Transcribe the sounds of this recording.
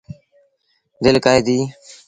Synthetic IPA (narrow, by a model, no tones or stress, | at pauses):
d̪ɪlkaːed̪iː